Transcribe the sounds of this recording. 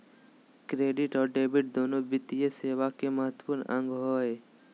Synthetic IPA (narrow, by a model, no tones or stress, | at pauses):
kɾeːɖiʈɔːɾɖeːbiʈ̚d̪onobɪt̪ijeseːʋakeməɦət̪wəpuɾnə̃ŋɡɦɔːe